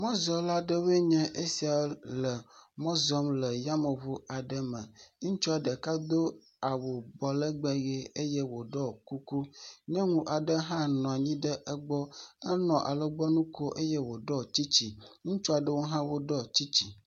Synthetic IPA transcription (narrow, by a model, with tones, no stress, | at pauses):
mɔ̃˦zɔ˨la˦ɖə˦we˦ɲɛ̃˦ʔe˦si˨a˨lə˨mɔ̃˦zɔ˦mlə˨ja˦mə˨βu˦a˨ɖə˦mə˨ŋũ˦t͡ʃu˦a˨ɖə˨ka˦d̪o˦ | a˨wo˨bɔ˨lə˦ɡ͡bɛ˦ɣe˦e˦jɛ˦wo˨ɖɔ˦ku˦ku˦ɲɛ̃˦ŋũ˦ʔa˨ɖə˦ɦã˦nɔ̃˨a˨ɲĩ˦ɖə˦ʔə˦ɡ͡bɔ˦ə˦nɔ̃˨ʔa̰˨lə˦ɡ͡bɔ˦nũ˦ko˦ʔe˦jɛ˦wo˨ɖɔ˦t͡ɕi˦t͡ɕi˨ŋũ˦t͡ʃu˦a˨ɖə˦wo˦ɦã˦wo˦ɖɔ˦t͡ɕi˦t͡ɕi˨